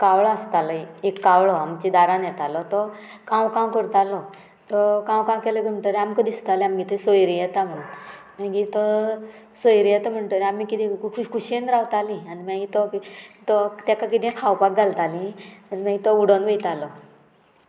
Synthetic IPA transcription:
kaʋɭast̪aləekːawɭɔamt͡ɕid̪aɾãnjɛt̪alɔt̪ɔ | kãwkãwkəɾt̪alɔ | t̪ɔkãwkãwkɛləkim̤əɳʈ̪əɾeamkəd̪ist̪alɛamɡit̪ʰesojɾijɛt̪am̤ə | mãɡit̪ɔ | sɔjɾijɛt̪am̤əɳʈəɾeamikit̪ʰĩkʰkʰuɕenɾawt̪alĩanimãɡit̪ɔt̪ɔt̪jakakit̪ɛ̃kʰawpak̚d͡zalt̪alĩanim̤ãɡit̪ɔuɽonʋəjt̪alɔ

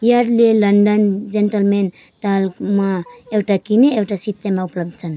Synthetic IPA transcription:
jaɾlelənɖənd͡ʒenʈəlmen | ʈalkmaewʈakineewʈasit̪ːemaupləb̚d̪̚t͡ʃʰən

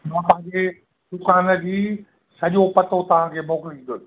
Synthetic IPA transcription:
mãːpãɦɲd͡ʑe | d̪ʊkaːnə̆d͡ʑiː | sɐʄopɐt̪ʰot̪ɐʋ̤ãkʰeːmoːkɪlĩnd̪o

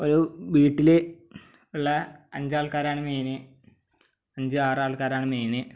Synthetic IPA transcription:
oɾuʋiːʈːile | uɭːɐɐɲd͡ʑaːɭkaːɾaːɳɨmeːnɨ | ɐɲd͡ʑɨaːraːɭkaːɾaːɳɨmeːnɨ

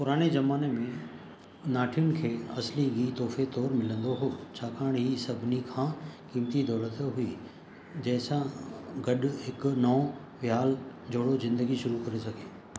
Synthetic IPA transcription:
pʊɾaːñezɐmaːnemẽ | naːʈʰijʊnɪ̆kʰeːɐsliɡiːt̪ɔːfet̪ɔːɾmɪlə̃nd̪oɦoːt͡ɕʰaːkaːɽ̃ɦiːsɐbʱɪnikʰãːkiːmt̪id̪ɔːlət̪ɦʊi | d͡ʑɐ̃ːɦɪ̃sãɡɐɗʊɦɪknɐː | ʋjaːld͡ʑoːɽozɪ̃nd̪əɡiʃʊɾukɐɾesɐɡʱeː

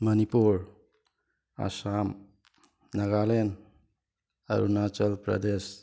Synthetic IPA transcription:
mənipuɾ | a̰sam | naɡalen | a̰ɾṵnat͡ʃəlpɾə̰d̪es

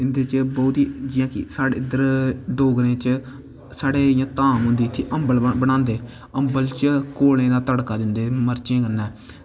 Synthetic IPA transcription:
ɪnd̪eːt͡ʃbɔːt̪iːd͡ʒɪjãːkɪ̰saːɽeːɪd̪əɾɖoːɡɾẽːt͡ʃ | saːɽeːjãːt̪ãːmɦʊ̃nd̪iːt̪ʰːiʔəmbəlbəɽ̃ãːnd̪eː | əmbəlt͡ʃkoːlẽːd̪aːt̪əɽkaːd̪ɪnd̪eːməɾt͡ʃẽːkənːɛː

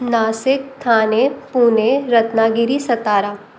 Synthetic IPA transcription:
naːsɪk̚t̪ʰaːnepuːneɾɐt̪naɡɪɾisɐt̪aːɾaː

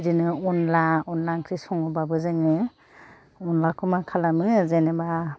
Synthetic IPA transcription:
dinɯunlaɔnlaŋkʰɾisɔŋubabɯzɯŋɯ | ɔnlakʰumakʰalamɯzeneba

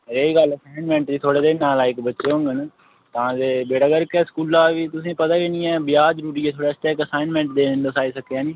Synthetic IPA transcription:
ɾeːiːɡələsaːɪnmɛ̃ːɳʈd̪iːt̪ʰoːɽeːd̪eːnaːlaːɪkbətːʃeːɦʊ̃ŋɡənː | t̪ãːd͡ʒeːbeːɽaːɡəɾkɛːskuːlaːʋiːt̪ʊsĩːpət̪aːkenĩːɛ̃ːbɪjaːd͡ʒɾuːɾiːɛːt̪ʰoːɽɛːst̪ɛːɪkəsaːɪnmɛ̃ːɳʈd̪eːnd̪əsaːiːsəkːeaːniː

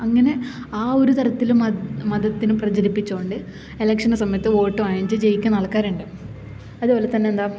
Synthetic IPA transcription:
ɐŋːɐne̞ | aːo̞ɾut̪ɐɾɐt̪ːilummɐd̪ɐt̪ːinuprɐd͡ʑɐɾipːit͡ɕːoːɳɖɨ | e̞lɐkʂɐnsɐmɐjɐt̪ːɨo̞ːʈːɨʋaːeɲd͡ʑɨd͡ʑejikʲːunɐɭɐkːaːɾuɳɖɨ | ɐðupo̞ːlet̪ɐnːe̞end̪aː

